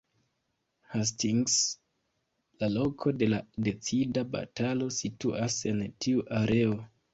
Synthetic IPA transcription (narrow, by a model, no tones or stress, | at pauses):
has̬tiŋɡs | lalokʰo̞de̞lade̞t͡sidaba̰talo̞situʔase̞ntʰiuʔaɾe̞o